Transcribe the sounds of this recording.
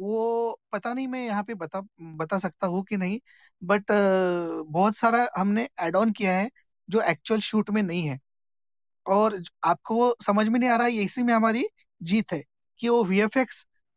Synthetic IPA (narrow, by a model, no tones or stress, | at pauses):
ʋopɐt̪anɐɦĩmɛ̃jɐɦãpebɐt̪abɐt̪as̬ɐkt̪aɦũkinɐɦĩ | bɐʈ | bɔːt̪saːɾaɦɐmneʔɛːɖɔːnkijaɦɛ | d͡ʒoːʔɛːk̚t͡ʃʊwəlʃuːʈmẽnɐɦĩɦɛː | ɔːɾaːp̚koʋosɐməd͡ʒʱmẽnɐɦĩaːɾaːɦɛjɐsimẽɦɐmaːɾi | d͡ʒiːt̪ɦɛː | kiʋoʋiefeks